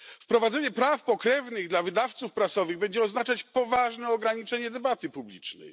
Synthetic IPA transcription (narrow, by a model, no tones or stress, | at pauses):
fpɾɔvad̪zɛɲɛpɾafpɔkɾɛvnɘɣd̪lavɘd̪aft̪sufpɾasɔvɘɣbɛɲd͡ʑɛɔznat͡ʂat͡ɕpɔvaʐnɛɔɡɾaɲit͡ʂɛɲɛd̪ɛbat̪ɘpublʲḭt͡ʂnɛ̰j